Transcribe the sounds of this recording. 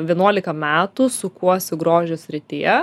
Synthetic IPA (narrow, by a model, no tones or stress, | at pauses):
ʋʲiɛnuɔlʲɪkɐmʲæːt̪usʊkuɔsʲɪɡɾoːʒʲʊsʲɾʲɪt̪ʲɪjɛ